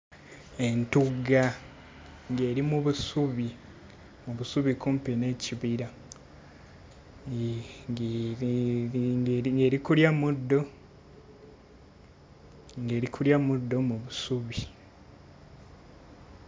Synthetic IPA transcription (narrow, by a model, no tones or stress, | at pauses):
e̞ntuɡa | ŋɡe̞ɾimuβusuβi | muβusuβikumpene̞ciβiɾa | ɡeɾikuljamudːo̞ | ŋɡe̞ːɾikʰuljamudːo̞muβusuβi